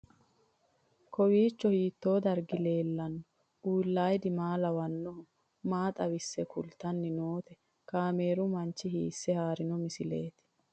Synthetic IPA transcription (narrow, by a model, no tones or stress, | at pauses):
kɔwiːt͡ʃːɔhiːt̪ːo̞ːd̪ɐɾɡɪle̞ːlːɐnːɔ | ujlːaːjd̪ɪmaːlɐwɐnːɔʊ | maːt̪ʼɐwɪsːɛkʰʊ̰lt̪ːɐnːɪnoːt̪ɛ | kaːme̞ːɾʊmɐnt͡ʃːɪɦḭːsːɛhaːɾɪnɔmɪsɪle̞ːt̪ɪ̥